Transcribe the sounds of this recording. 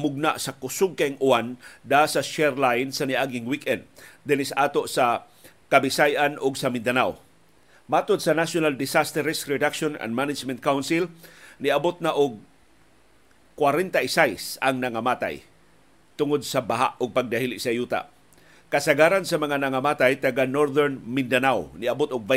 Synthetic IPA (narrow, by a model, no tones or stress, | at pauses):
mʊɡ̚na̰ʔsakʊsʊɡ̚kaɪŋʔʊand̪asaʃɛɹlajnsanɪʔaɡɪŋwikɛnd̪̚d̪ɪnɪsʔaːt̪oʔsa | kabɪsajanʔʊɡsamɪnd̪anaw | maːt̪od̪̚sɐnasonald̪ɪsast̪ɛɾɛsɹɛd̪akʃona̰nmanɪd͡ʒmɛnt̪̚kawnsɪlnɪɐbot̪̚naʔʊɡ̚ | kwaɾɛnt̪aʔɪsajsɐŋnɐŋamaːt̪a̰j | t̪ʊŋod̪̚sabaɦa̰ʔʊɡ̚paɡ̚d̪ahilɪʔsɐjuːt̪a̰ | kɐsaɡaːɾansɐmɐŋanɐŋamaːt̪ajt̪ɐɡanoɾðɛɹnmɪnd̪anawnɪɐbot̪ʊɡ̚va